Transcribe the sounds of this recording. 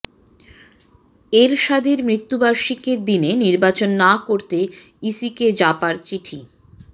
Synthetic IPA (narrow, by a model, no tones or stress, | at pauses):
eɾʃad̪ʱiɾmɾit̪ːubaɾʃikeɾd̪ineniɾbat͡ɕonːakoɾt̪e | isiked͡ʑapaɾt͡ɕiʈʰi